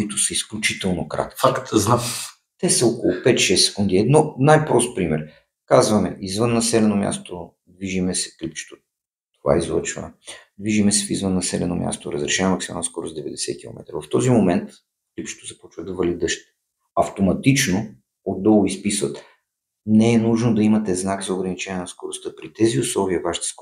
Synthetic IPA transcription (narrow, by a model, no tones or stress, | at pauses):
kʊit̪ʊsəisklʲut͡ʃit̪ɛlˠnokɾa̰t̪kifakt̪znaf | t̪ɛsəɔkolˠʊpɛt̪ʃɛsɛ̥kund̪iɛd̪nɔnajpɾɔst̪̚pɾimɛɾ | kazvɐmɛ̰ʔizvɤnːɐsɛlɛnomʲja̰st̪o | d̪viʒimɛsɛ̥klip̚t͡ʃɛ̥t̪o | t̪ova̰izlˠə̰t͡ʃvə̰d̪viʒimɛsɛfizvɤnːɐsɛlɛ̰nomʲja̰st̪oɾəzɾɛʃɛɛmɐksima̰lˠnoskɔɾozd̪ɛvɛd̪ɛsɛ̰t̪̚kʲilˠo̰mʔɛ̰t̪ɾə̰vɐft̪ɔzimomɛnt̪ | klip̚t͡ʃɛ̥t̪ozɐpɔt͡ʃvəd̪ɐvɐlid̪əʃt̪ | ɐft̪omɐt̪it͡ʃno | od̪̚dːɔlˠispisvət̪ | nɛɛnuʒnod̪ɐimɐt̪ɛznakzɐʊɡɾɐnit͡ʃɛ̃nʲɛnɐskoɾʊst̪ɤpɾit̪ɛziʊslˠɔviəvaʃi̥t̪ɛ̥sk